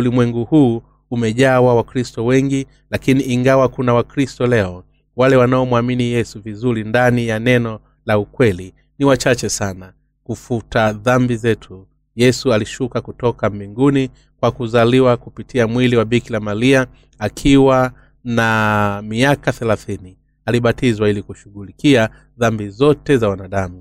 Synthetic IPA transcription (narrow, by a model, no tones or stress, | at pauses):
ulimwɛŋɡuhuː | mɛʄaːwawakɾistɔwɛŋɡi | lakiniʔːŋɡawakunawakɾistɔlɛɔ | walɛwanaɔmwaminijɛsuvizuɾindanijanɛnɔ | laukwɛli | niwat͡ʃat͡ʃɛsana | kufutaðambizɛtʰu | jɛsualiʃukakutɔkambiŋɡuni | kwakuzaliwakupitʰiamwiliwaɓikilamalia | akʰiwa | namiakaθɛlaθini | aliɓatizwailikuʃuɠulikia | ðambizɔtɛzawanaɗamu